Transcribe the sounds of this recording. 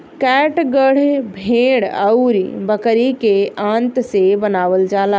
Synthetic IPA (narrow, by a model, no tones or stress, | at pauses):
kɛʈɡəɽ̤bʱeɽəʊɾbəkəɾikeãnt̪sebənaːʋəld͡ʒaːla